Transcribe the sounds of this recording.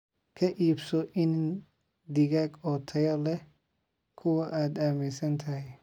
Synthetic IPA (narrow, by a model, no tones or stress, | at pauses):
kʰɐʔiːbsɔʔɪn | d̪ɪɣaːɡɔːt̪ʰɐjɐlɛ | kʰʊwɐʔaːd̪aːmɪsɐnt̪ʰɐhɛj